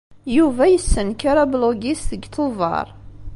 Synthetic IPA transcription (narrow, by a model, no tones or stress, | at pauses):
juvæjəsːənkaɾabloɡisθəɡt̪ʰovˤɑ̰ɾˤ